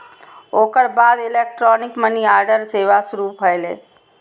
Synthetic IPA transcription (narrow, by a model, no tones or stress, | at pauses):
oːkəɾbaːd̪ɪlek̚ʈɾɔːnɪkməniaːɾɖəɾseːʋasʊɾupʰɦəjlḛː